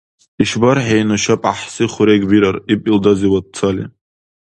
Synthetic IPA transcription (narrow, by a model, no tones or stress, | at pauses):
iʃbaɾħejnaʃapʼaħsɨχʊɾeɡʲwiɾaripʼildaziwad̚t͡sʰalḭ